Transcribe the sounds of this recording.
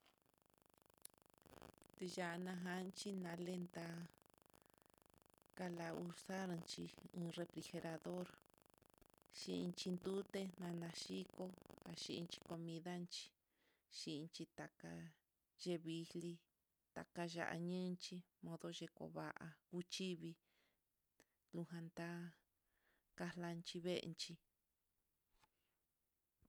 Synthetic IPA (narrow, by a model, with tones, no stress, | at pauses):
t̪e˧ʒa˧˨˧nã˧ɦa˧nt͡ʃi˦nã˧le˦nd̪a˧ | ka˧la˧u˧ɾsa˦ɾnt͡ʃi˧ɨ̃ː˧re˧fɾi˧xe˧ɾa˧ðo˦ɾ | ʃi˧i˧t͡ʃi˧nd̪u˦t̪e˦nã˧nã˧ʃi˦ko˦a˨ʃi˧nt͡ʃi̥˧ko˧mĩ˧ða˦nt͡ʃi̥˧ | ʃi˧nt͡ʃi˧t̪a˨ka˧ | ʒe˧βi˧hli˧ | t̪a̰˨ka˧ʒa̰˧ʔa̰˧ɲɨ̃˦nt͡ʃi˧ | mõ˧ðo˧ʒe˧ko̰˨βa˧ʔa˧ku˦t͡ʃi˦βi˧ | lu˧ɦã˧nd̪a˦ | ka˧la˧nt͡ʃi˧βḛ˦˧nt͡ʃi˧